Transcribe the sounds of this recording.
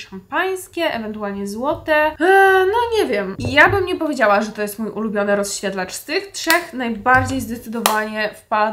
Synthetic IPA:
ʂampaj̃skʲɛʔɛvɛnt̪ualɲɛzwɔt̪ɛnɔɲɛvʲjɛmijabɘmɲɛpɔvʲjed͡ʑawaʐɛt̪ɔjɛst̪mujʔulubʲjɔnɘɾɔsɕɛd̪lat͡ʂst̪ɘxtʂɛxnajbaɾd͡ʑejzd̪ɛt̪sɘd̪ɔvaɲɛfpal

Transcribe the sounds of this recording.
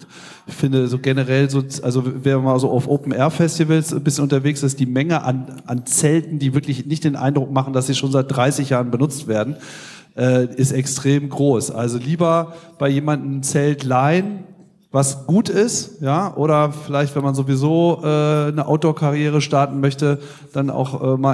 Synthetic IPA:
fɪndəzoːɡɛnəʁɛlzoːʔa̰lzovɛmaːzoːʔaʊfʔoːpn̩ɛɐfɛstivəlsnbɪsçənʊntɐveːksɪstd̥iːmɛŋəʔa̰nʔant͡sɛltn̩diːvɪɐklɪçnɪçt̚d̥eːnʔa̰ɪndʁʊk̚maχn̩d̥asz̥iːʃoːnzaɪt̚d̥ʁaɪsɪçjaːʁənbənʊt͡stv̥eːɐdn̩ | ʔɛːʔɪstɛkstʁ̥eːmɡʁoːsʔa̰lzoliːbɐb̥aɪjeːmandn̩t͡sɛltlaɪn | vasɡ̥uːtɪstjaːʔoːɾɐfɪlaɪçtv̥ɛnmanzovizoːʔɛːnəʔa̰ʊtokʰaʁjeːʁ̞əʃtaɐtn̩mœçtə | d̥anʔa̰ʊxʔɛːmaː

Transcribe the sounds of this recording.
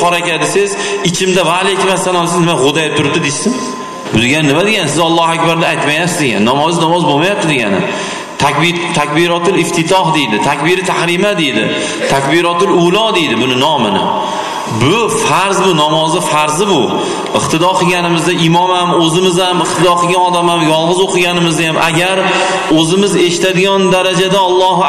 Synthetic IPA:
ɒɾakʲad̪ɪsɪzɪt͡ʃʰɪmd̪avalekʲʰɪmasanɒlˠsɪznɪmaʁʊd̪ajp̚t̪ʰʊɾ̚d̪ɪd̪eʃsɪm | bʊd̪eɡʲanːɪmad̪eɡʲansɪzɒlˠːɒhakʲbaɾd̪aːjt̪majasɪzɡʲa̰nːɒmɒznɒmɒzbomajap̚t̪ɪd̪e̞ɡʲa̰nɪ̰ | t̪ʰakʲbt̪ʰakʲbɪɾɒt̪ɪlɪft̪ʰɪt̪ʰɒhd̪e̞jd̪ɪt̪ʰakʲbɪɾɪt̪ʰahɾimad̪e̞jd̪ɪ̰ | t̪ʰakʲbɪɾɒt̪ɪlʊlˠɒd̪e̞jd̪ɪbʊnɪnɒmɪnɪ̰ | bʊfaɾzbʊnɒmɒzɪfaɾzɪbʊ | ɪqt̪ʰɪd̪ɒqʰɨɡʲanɪmɪzd̪aʔɪmɒmamɵzɪmɪzamɪqt̪ʰɪd̪ɒqʰɨlˠɡʲanɒd̪amamjɒlˠʁɨzoqʰɨɡʲanɪmɪzd̪ajamʔa̰ɡʲaɾ | ɵzɪmɪze̞ʃɪ̥t̪ad̪ɪɡʲɒnd̪aɾad͡ʒad̪aɒlˠːɒɦ

